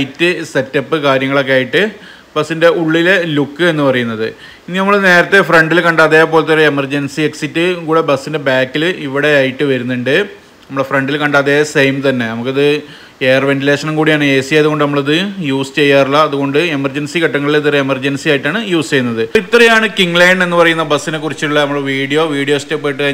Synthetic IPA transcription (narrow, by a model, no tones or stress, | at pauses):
jitːɨse̞tːɐpːɨkaːɾjɐŋːɐɭo̞k̬ːejaːjiʈːɨ | bɐsːinde̞uɭːilelukːɨenːɨpɐrɐjunːɐðɨ̰ | inːinɐmːɐɭne̞ːɾɐt̪ːefreɳɖilkɐɳɖaːt̪ːeːjɐpːo̞ːlt̪ːoɾeemɐrd͡ʑɐnsieksitːɨkuːɽe̞bɐsːinde̞baːkːiliʋiɽe̞aːjiʈːɨʋɐɾunːuɳɖɨ | nɐmɐɭɽefreɳɖilkɐɳɖaːt̪ːeːɐsejmt̪ɐnːe̞nɐmukːɐðɨ | eːrʋe̞nʈ̬ileːʂɐnɐmkuːɽijaːɳɨeːsijejɐðuɣo̞ɳɖɨnɐmːɐɭɐðɨjuːst͡ɕe̞jːaːruɭːɐːðuɣo̞ɳɖɨemɐrd͡ʑɐnsikɐʈːɐŋːɐɭilɐt̪̬ːreemɐrd͡ʑɐnsijaːjiʈːaːɳɨjuːst͡ɕe̞jːunːɐðɨit̪ːrɐjaːɳɨkiŋlɐjɳɖe̞nːɨpɐrɐjunːɐbɐsːine̞kːurit͡ɕːiʈuɭːɐnɐmːɐɭʋiːɽijo̞ːʋiːɽijo̞ːstepːojʈːɨkɐ